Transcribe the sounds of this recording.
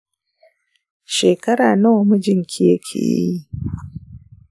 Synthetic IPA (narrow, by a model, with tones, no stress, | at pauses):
ʃeː˨kɐ˦ɾaː˨na˦wmu˦d͡ʒɪ˦ŋkʲʰɪ˦jɐ˦kʲʰḛ˨j̰i˦